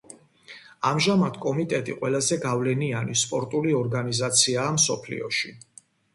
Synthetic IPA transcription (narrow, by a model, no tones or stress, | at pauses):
amʒamad̪̥kʼɔmit̪ʼɛt̪ʼiqʼwɛlazɛɡavlɛnianispʼɔɾt̪ʼuliɔɾɡanizat̪sʰiaːmsɔpʰlḭɔʃi